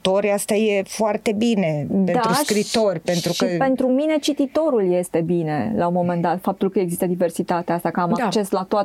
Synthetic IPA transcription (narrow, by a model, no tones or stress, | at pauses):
t̪o̞ɾʲast̪aje̞foart̪e̞bine̞dped̪auskɾit̪o̞rʲpe̞nt̪ɾukəpe̞nt̪ɾumine̞t͡ʃit̪it̪o̞ɾulje̞st̪e̞bine̞launmo̞me̞nd̪at̪fap̚t̪ulkəeɡzist̪əd̪ive̞rsit̪at̪east̪akəamakt͡ʃe̞slat̪oa